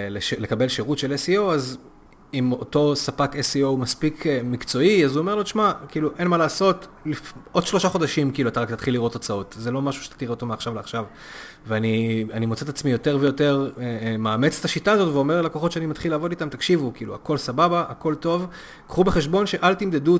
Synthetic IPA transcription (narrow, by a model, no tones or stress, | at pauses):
leʃele̞kabe̞lʃeʁutʃe̞lesio̞waz | imo̞to̞sapakesio̞wmaspikʰemikt͡so̞iazuomeloʃmakiːluʔe̞nmalaːso̞t | lifo̞d̪ʃlo̞ʃaχo̞daʃimkiːluat̪aʁakt̪at̪χilːiʁo̞t̪ot͡sao̞tzelo̞maʃu̥ʃe̥ttiʁeo̞to̞meaχʃavleaχʃav | veanianimot͡set̪at͡smijo̞t̪e̞ʁvejo̞te̞ʁmaːmet͡st̪aʃitaːzo̞tveomeʁlalokoχo̞tʃeanimat̪χilaːvo̞ditamt̪akʃivukiːlua̰ko̞lsababaʔːko̞lto̞v | kχube̞χeʃbo̞nʃe̞ʔalt̪imd̪edu